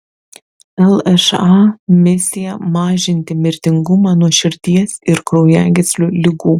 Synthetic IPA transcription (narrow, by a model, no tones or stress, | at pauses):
ɛlˠɛʃɑmʲɪsʲɪjɛmɑːʒʲɪnʲt̪ʲɪmʲɪɾʲt̪ʲɪŋɡʊmɑːnuɔʃʲɪɾʲt̪ʲiɛsɪɾkɾɔʊjæːɡʲɪt̪sʲlʲulʲɪɡuː